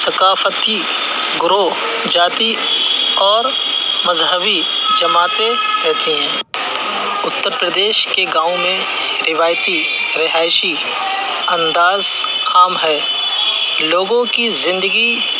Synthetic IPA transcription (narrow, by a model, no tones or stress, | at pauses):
sɐkaːfət̪i | ɡʊɾo | d͡ʒaːt̪i | ɔːɾ | mɐzɦəbi | d͡ʒɐmaːt̪ẽɾɛɦt̪iɦɛ̃ː | ʊt̪ːəɾpɾəd̪eːʃkeɡãːõmẽ | ɾɪʋaːjt̪i | ɾɪɦaːɪʃi | ɐ̃nd̪aːz | kʰaːmɦɛː | loːɡõkizɪ̃nd̪əɡi